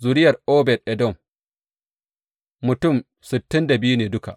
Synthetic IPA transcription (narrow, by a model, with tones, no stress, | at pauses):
zu˨ɾɪ˦jɐ˨rʔoː˦bɛ˨dʔɛ˨dɔ˦˨m | mʊ˨tʊ˦˨m | sɪ˨tːɪ˦nda˨bɪ˦ju˦neː˨dʊ˦ka̰˨ʔ